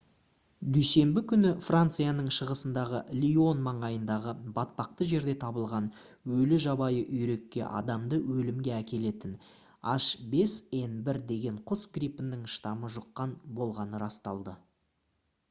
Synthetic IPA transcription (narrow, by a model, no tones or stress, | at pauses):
d̪yjse̞mbɪkʲʰʏnɪfrant̪sɨjanəɴʃəʁəsənd̪ɑʁəlʲio̞nmɑɴɑjənd̪ɑʁəbɑt̪̚pɑq̚t̪əʒe̞ɾd̪e̞t̪ʰɑbəlˠʁɑn | wɵlɪʒɑbɑjəʔʏjɾe̞kʲːe̞̰ʔɑ̰d̪ɑmd̪əwɵlɪmɡʲe̞ækʲe̞le̞t̪ɪn | ɑ̰ʃbe̞se̞nbɪɾd̪e̞ɡʲe̞ɴqʰʊsɡrʲipɪnːɪŋʃt̪ɑməʒʊqːɑnbo̞lˠʁɑnəɾɑst̪ɑlˠd̪ə